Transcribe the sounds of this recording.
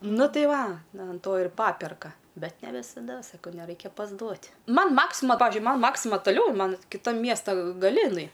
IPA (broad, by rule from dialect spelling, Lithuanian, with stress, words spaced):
ˈnʊ ˈtɐɪ ˈʋɐ ɐn ˈtoː ɪr ˈpɑːpʲɛrkɐ ˈbʲɛt nʲɛ ʋʲɪsɐˈdɐ sɐˈkɐʊ nʲɛˈrɐɪkʲɛ pɐzˈduɔtʲ ˈmɐn ˈmɑːksʲɪmɐ ˈpɑːʋʲɪʒʲʊɪ ˈmɐn ˈmɑːksʲɪmɐ tɐˈlʲɛʊ ˈmɐn kʲɪˈtɐm ˈmʲiɛstɐ ɡɐˈlʲɪ ɪˈnɐɪ